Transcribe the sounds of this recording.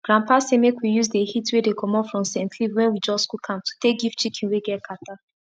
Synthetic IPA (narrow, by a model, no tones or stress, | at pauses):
ɡ̥ɹãmpasemekwijuzdehitwedekʰɔ̃mɔfɹɔ̃msɛ̃ntʰlivwɛ̃nwid͡ʒɔstkukʰãmtʰu̥tek̚ɡift͡ʃikʰĩnweɡɛt̚kʰata